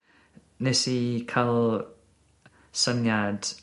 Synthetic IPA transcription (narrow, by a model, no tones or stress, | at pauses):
nesikʰalˠ | sənjad̥